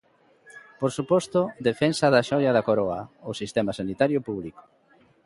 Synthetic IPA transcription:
poɾsupɔst̪ʊd̪efɛnsɐðɐʃɔʎɐðɐkoɾɔɐosist̪ɛmɐsanit̪aɾjʊpuβliko̥

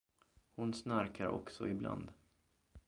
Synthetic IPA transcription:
hʊnsnaɾkʰaɾɔ̰ksɔ̰ɪbla̰nd̪

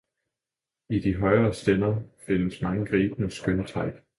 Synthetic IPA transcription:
id̥iɦɒɪɐːsd̥enɐfe̝n̰əsmɑ̈ŋəɡ̥ʁiːb̥nəsɡ̥ønət͡sʰɑ̈ɪ̰̥

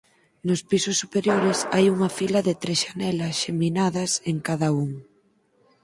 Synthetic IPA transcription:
nʊspisʊsːupeɾjoɾɪsajuŋɐfilɐðɪt̪ɾesʃanɛlɐsʃeminaðɐseŋkaðɐuŋ

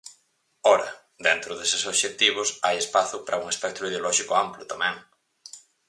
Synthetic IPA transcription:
ɔɾɐ̰ | d̪ent̪ɾʊðesɪsoβʃek̚t̪iβ̞ʊsajespaθʊpɾʔɐuŋespɛk̚t̪ɾʊið̞eolɔʃikʊamplʊt̪amɛ̃ŋ

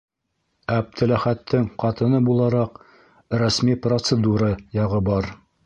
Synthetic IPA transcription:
æb̚t̪ʰɘ̆læχæt̪ʰːɘŋqɑt̪ɤ̆nɤbulˠɑɾɑq | ɾæsmiprot̪səd̪uɾɑjɑʁɤbɑɾ

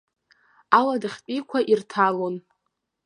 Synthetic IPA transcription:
aladɨχʲpʼikʷʰaʔirtʰalo̞n

